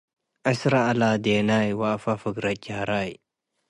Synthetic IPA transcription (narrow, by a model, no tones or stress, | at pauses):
ʔasɾaːlad̪enajwaːfafəɡɾad͡ʒaːɾaj